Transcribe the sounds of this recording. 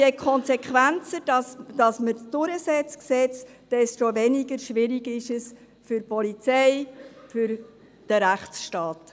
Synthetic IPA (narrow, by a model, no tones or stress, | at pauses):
ɛkʰχɔnsɛkʰʋænt͡sədɑsd̥ɑsməd̥ʊɾəsɛt͡sksɛt͡sd̥ɛst̪oʋɛniɡəɾʃʋɪɾiɡɪʃəs | fʏrpɔlit͡sɛɪfʏɾ | d̥əɾæχsʃtɑːt